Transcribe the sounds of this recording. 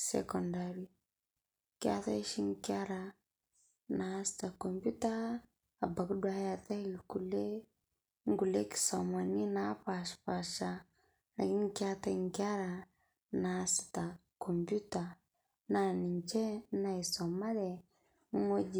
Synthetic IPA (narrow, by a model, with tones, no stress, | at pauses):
sḛkɔndaɾi˦ | kʲa̰˦ta˦i˦ʃi˦ŋkʲa˦ɾa˨ | na˦si̥ta˨ko˨mbu˦taː˦˨ | ba˨kdwa˦ja˨ta˦kule˦ | ŋ˦ɡu˨le˦ki̥˨sa˨ma˨ni˦na˦paʃpa˨ʃa˦ | na˨ki˦ŋ˦kʲa˦t̪a˦ŋka˦ɾa˨ | nasi̥ta˨ | ko˨mbu˦ta˨ | na˨ni˨ɲt͡ʃe˦na˨isa˨ma˦de˨˦ | ŋo˦d͡ʒ